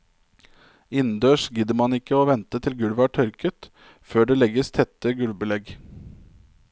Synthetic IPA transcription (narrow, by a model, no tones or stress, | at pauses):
ɪnn̩d̪øːʂɡɪd̪əmɑnɪkːəoːʋɛnt̪ət̪ʰɪlɡʉɽʋɑːʈʰœɾkət̪ | føːɖeːlɛɡəst̪ʰɛt̪ːəɡʉlbəlɛɡ